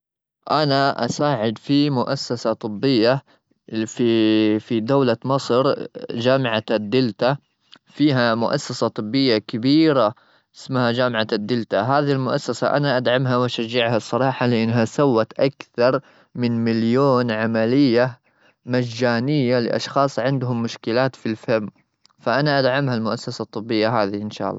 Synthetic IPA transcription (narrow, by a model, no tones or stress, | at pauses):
ʔanaʔa̰saːʕɪd̪fimʊʔasːasat̪ˤɨbːɪjːa | ffid̪awlamɑsˤɾd͡ʒaːmʕad̪ːɪlt̪a | fiːɦamʊʔa̰sːasat̪ˤɨbːɪjːakabiːɾa | ʔɪsmhad͡ʒaːmʕad̪ːɪlt̪aɦaːðiilmʊʔasːasa̰ʔa̰naʔad̪ʕamɦawaʃaʒːɪʕhasˤːɑɾˤɑːħɑlɪʔɪnːɦasawːat̪ʔakθɑɾˤ | mɪnmɪljoːnʕamalɪjːa | mad͡ʒːaːnɪjːalɪ̰ʔɑ̰ʃxɑːsˤʕɪnd̪ɦʊmːʊʃkɪlaːt̪filfamː | faʔanaʔad̪ʕamhalmʊʔasːasat̪ˤːɨbːɪjːaɦaːðiʔɪnʃa̰ːʔɑlˤːɑ̰ː